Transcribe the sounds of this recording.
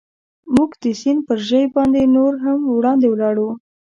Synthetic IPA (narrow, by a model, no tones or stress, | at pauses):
muɡd̪əsinpəɾʒəjbɑnd̪enoɾɦamwɽɑnd̪ewlɑɽu